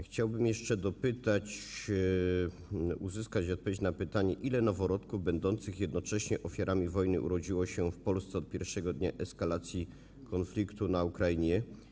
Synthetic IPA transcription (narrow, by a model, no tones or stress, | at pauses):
xt͡ɕawbɘmjɛʂt͡ʂɛd̪ɔpɘt̪at͡ɕ | uzɘskat͡ɕiɔt̪̚pɔvjet͡ɕnapɘt̪aɲɛʔilɛnɔvɔɾɔt̪kuvbɛnd̪ɔnt̪sɘxjɛd̪nɔt͡ʂɛɕɲɛʔɔfʲjaɾʔamʲivɔjnɘ̰ʔṵɾɔd͡ʑiwɔɕɛfpɔlst̪sɛɔt̪̚pʲjɛɾfʂɛɡɔd̪ɲaʔɛskalat̪sʲji | kʰɔnflʲikt̪unaukɾajiɲɛ